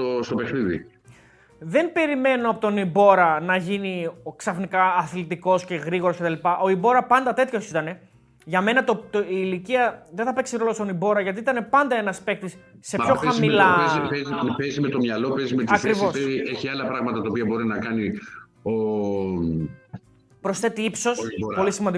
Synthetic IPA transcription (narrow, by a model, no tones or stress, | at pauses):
ost̪o̞pe̞xniðḭ | ðe̞mbe̞ɾime̞noɐpo̞t̪o̞nibo̞ɾɐnɐʝiniksɐfnikɐːθlit̪iko̞sce̞ɣɾiɣoɾoscet̪ɐlipɐʔo̞ibo̞ɾɐpɐnd̪ɐt̪e̞t̪ço̞sit̪ɐne̞ | ʝɐme̞nɐt̪ot̪iːliciɐðenθɐpe̞ksiɾo̞lo̞st̪onibo̞ɾɐʝɐt̪iit̪ɐne̞pɐnd̪ɐenɐspe̞k̚t̪isː | e̞çoxɐsmmilɐeiezipezimet̪o̞mɲɐlo̞pezimet̪ɐɾivo̞seieçiɐlɐpɾɐɣmɐt̪ɐt̪ɐopiɐbo̞ɾinɐkɐni | o | pɾo̞sθe̞t̪iipso̞spo̞lisimɐnd̪i